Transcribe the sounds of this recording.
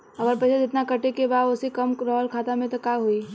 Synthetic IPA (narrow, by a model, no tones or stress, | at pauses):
ɐɡəɾpɛːt͡ʃʰad͡ʒɪt̪nakəʈekebaːd̪ʊsekɐmɾɔːlkʰaːt̪amẽt̪okaɦui